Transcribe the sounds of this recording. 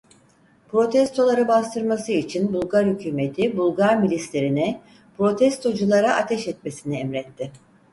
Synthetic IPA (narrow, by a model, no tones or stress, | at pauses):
pɾo̞t̪ʰɛst̪ʰo̞lˠaɾɯbast̪ʰɯɾmasɯit͡ʃʰinbulˠɡaɾhycʰyːme̞t̪ʰibulˠɡaɾmilʲislʲeɾinɛ | pɾo̞t̪ʰɛst̪ʰo̞d͡ʒulˠaɾaʔat̪ʰɛʃɛt̪̚me̞siniɛmɾɛt̪ʰːɪ